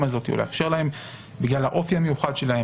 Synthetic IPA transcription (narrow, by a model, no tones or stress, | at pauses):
mazo̞t̪iolḛa̰fʃe̞ʁlahe̞m | biɡlalhaʔo̞fiame̞juχad̪ʃe̞lahe